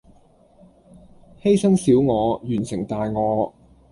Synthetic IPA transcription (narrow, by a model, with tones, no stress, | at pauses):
he˥jsɐ˥ŋsiː˨˥wŋɔː˨˧jyː˨˩nsɪ˨˩ŋt̪aː˨jŋɔː˨˧